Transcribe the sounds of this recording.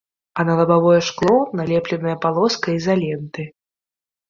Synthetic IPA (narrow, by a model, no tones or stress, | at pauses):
ɐnɐlˠɐbavɔjɛʂklˠɔnalʲɛplʲɛnɐjɐpalˠɔskɐizalʲɛnt̪ɨ